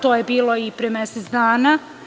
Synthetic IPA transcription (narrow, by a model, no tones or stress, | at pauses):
t̪ojebiːlˠo̞ipɾemeset̪d̪aːna